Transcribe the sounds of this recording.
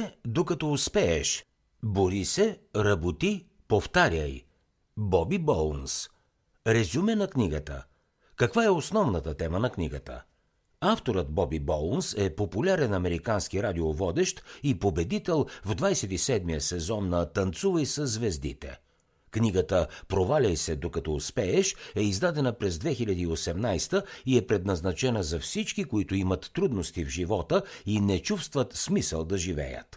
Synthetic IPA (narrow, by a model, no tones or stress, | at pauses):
d̪okɐt̪ɔʊspɛɛʃ | boɾisɛɾɐbot̪i | poft̪aɾʲəj | bɔbibɔlˠns | ɾɛzumɛnɐkniɡət̪ə̰ | kɐkvaɛosnɔvnət̪ət̪ɛmənɐkniɡət̪ə̰ | aft̪oɾət̪̚bɔbibɔlˠnsɛpopulʲaɾɛnɐmɛɾikansk̟iɾad̪iovɔd̪ɛʃt̪ipobɛd̪it̪ɛlˠvd̪vajsɛt̪isɛd̪mijəsɛzɔnːɐt̪ɐnt̪suvəjsəzvɛzd̪ḭt̪ɛ̰ | kniɡət̪əpɾovalʲɐjsɛd̪okɐt̪ɔuspɛɛʃɛizd̪ad̪ɛnəpɾɛzd̪vɛxiʎʲəd̪iːosɛmnajst̪əiɛpɾɛd̪nɐznɐt͡ʃɛnəzɐfsit͡ʃkikoit̪ʊimɐt̪ːɾud̪nost̪ivʒivɔt̪əinɛt͡ʃufst̪vət̪smisəlˠd̪ɐʒivɛ̰jə̰t̪